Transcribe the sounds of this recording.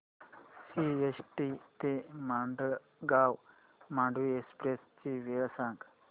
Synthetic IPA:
siesʈit̪emaːɳɖ | ɡaːw | maːɳɖʋiekspɾest͡ʃiʋeːlɐsaːŋk

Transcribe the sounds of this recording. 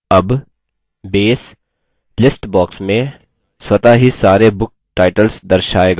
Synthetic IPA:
ɐb | beːs | lɪsʈbɔːksmẽ | swɐt̪aɦisaːɾebʊk̚ | ʈaːɪʈəlsd̪ɐɾʃaːeːɡa

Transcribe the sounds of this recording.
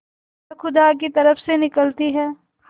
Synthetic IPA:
xʊd̪ak̬it̪ɐɾəfsenɪkəlt̪iɦɛː | h

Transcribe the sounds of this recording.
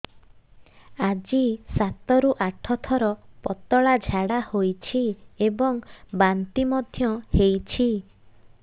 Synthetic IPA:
ad͡ʒisat̪ɔɾuʔaʈʰɔt̪ʰɔɾɔpɔt̪ɔɭad͡ʒʱaɽahojt͡ʃʰiebɔŋbant̪imɔd̪ʱjɔhejt͡ʃʰi

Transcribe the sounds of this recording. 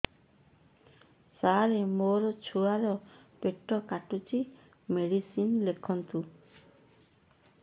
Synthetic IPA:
saɾemoɾɔt͡ʃʰuaɾɔ | peʈːɔkaʈut͡ʃʰi | meɽisinlekʰɔnt̪u

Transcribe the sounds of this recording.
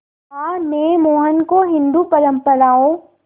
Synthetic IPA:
aːmẽmoːɦənkoɦɪ̃nd̪upɐɾəmpəɾaːõː

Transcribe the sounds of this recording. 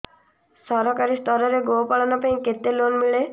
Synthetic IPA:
sɔɾɔkaɾist̪ɔɾɔɾeɡowpaɭɔnɔpaĩket̪elonmiɭe

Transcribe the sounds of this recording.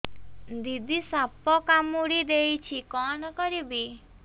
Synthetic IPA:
d̪id̪isapɔkamuɽid̪ejt͡ʃʰikɔnɔkɔɾibi

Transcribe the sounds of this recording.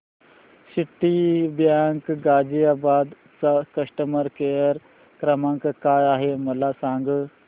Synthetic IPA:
siʈːibjaːŋkɡaːd͡ʒijaːbaːd̪ | t͡sakɐsʈəməɾkejəɾ | kɾɐmãːŋkkaːjaːɦemɐlaːsãːŋɡ

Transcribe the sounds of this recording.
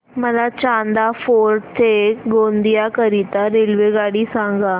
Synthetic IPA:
məlat͡ɕãnd̪afoːɾʈt̪ʰeɡond̪ijakəɾit̪aɾelʋeɡaːɽisãŋɡa

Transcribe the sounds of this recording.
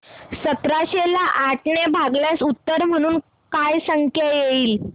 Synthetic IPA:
sət̪ɾaɕelaʔaʈnebʱaɡljasut̪ːəɾm̤əɽ̃uːn | kajsəŋkʰjajeiːl

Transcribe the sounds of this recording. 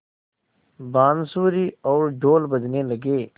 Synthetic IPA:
baːnsuːɾiːɔːɾɖoːlbəd͡ʒneləɡeː

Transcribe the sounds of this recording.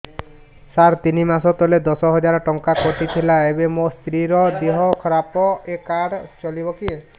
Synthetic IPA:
saɾt̪inimasɔt̪ɔled̪ɔsɔɦɔd͡ʒaɾɔʈɔŋkakoʈit̪ʰilaebemost̪ɾiɾɔd̪eɦɔkʰɔɾapɔekaɽt͡ʃɔlibɔki

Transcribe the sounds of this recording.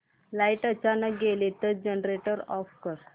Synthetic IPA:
laiʈət͡ɕanək̚ɡelet̪əd͡ʑənɾeʈəɾɔfkəɾ

